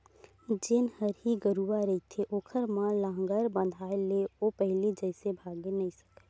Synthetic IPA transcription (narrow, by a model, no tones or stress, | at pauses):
d͡ʒenhəɾɦiɡəɾuaɾəɦit̪ʰeʔoːkʰəɾmãlãːŋɡəɾbə̃nd̪ʱaːeleopɛɦlid͡ʒɛːsebʱaːɡenɐɦĩsɐ̥ke̥